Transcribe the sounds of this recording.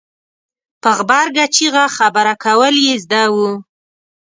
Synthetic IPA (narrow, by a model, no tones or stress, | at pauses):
pəɣbɑɾɡat͡ʃiɣaxabaɾakawəljezd̪awu